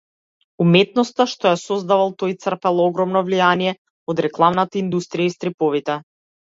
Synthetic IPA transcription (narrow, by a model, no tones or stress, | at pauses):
umɛt̪̚nɔst̪aʃt̪ɔjasɔzd̪avalˠt̪ɔjt̪sr̩pɛlˠɔɔɡɾɔmnɔvlijanijɛ | ɔd̪ɾɛklˠamnat̪aind̪ust̪ɾijaist̪ɾipɔvit̪ɛ